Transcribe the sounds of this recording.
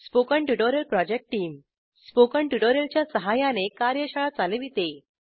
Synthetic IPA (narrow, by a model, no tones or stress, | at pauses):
spokəɳʈuʈoɾjəlpɾɔd͡ʑek̚ʈʈːiːm | spokəɳʈuʈoɾjəlt͡ɕjasəɦajanekaɾjəɕaɭat͡saleʋit̪e